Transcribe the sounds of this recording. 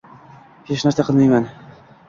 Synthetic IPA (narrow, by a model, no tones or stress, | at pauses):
het͡ʃnaɾsaqʰɨlˠmajman